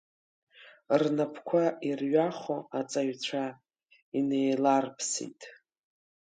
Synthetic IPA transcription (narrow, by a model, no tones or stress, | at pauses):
rnapʰkʷʰairɥaχoat͡sʼaɥt͡ɕʷʰa | inejlarpʰsḭtʼ